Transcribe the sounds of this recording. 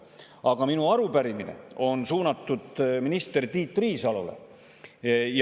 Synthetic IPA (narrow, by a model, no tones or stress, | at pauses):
ɑɡ̥ɑminuɑɾupæɾiminḛo̞nsuːnɑt̪ːˑud̪̥minist̪e̞rt̪iːt̪ːˑriːsɑlolḛ | j